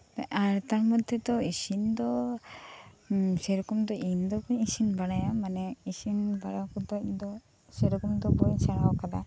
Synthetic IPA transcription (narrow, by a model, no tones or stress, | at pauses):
ɛaɾt̪aɾmɔd̪ʱɛd̪ɔisind̪ɔ | sɛɾɔkumd̪ɔʔind̪ɔbɔɲisinbaɽajamanɛisinbaɽakud̪ɔc̚d̪ɔ | sɛɾɔkumd̪ɔbɔsaɽawkad̪a̰